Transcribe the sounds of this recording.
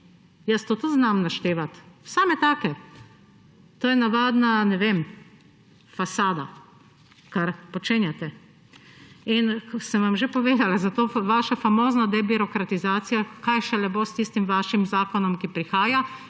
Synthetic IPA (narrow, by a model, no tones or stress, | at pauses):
jəst̪oːt̪uznamnaʃt̪eːʋat̪saːmɛt̪aːkɛ | t̪oːjɛnaʋaːd̪nanɛʋeːm | fasaːd̪a̰ | kaɾpɔt͡ʃeːnjat̪ɛ | inksɛmʋamʒepɔʋeːd̪alazat̪oːʋaːʃafamoːznad̪ɛbiɾɔkɾat̪izaːt̪sijakajʃɛlɛboːst̪ist̪imʋaːʃimzaːkɔnɔmkipɾixaːja